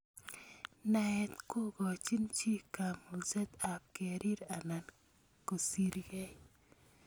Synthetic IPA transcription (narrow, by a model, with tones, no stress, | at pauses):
na˨ɛ˨t̪ko˦ɡɔ˨t͡ʃi˦nt͡ʃi˦ka˨mu˨zɛ˦t̪a˨p̚ke˨ɾi˦ɾa˨na˨n | ko˨si˨ɾɡɛ˦j